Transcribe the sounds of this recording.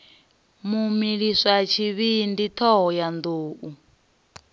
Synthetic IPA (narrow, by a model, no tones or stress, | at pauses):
mumiɺiʂʷat͡ʃʰiβindit̪ʰɔɦɔjand̪oːʔu